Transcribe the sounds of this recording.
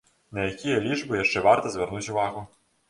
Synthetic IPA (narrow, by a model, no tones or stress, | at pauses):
nɐjakʲijɐlʲiʐbɨjaʂt͡ʂɛvart̪ɐzʲvʲɛrnut͡sʲuvaɣʊ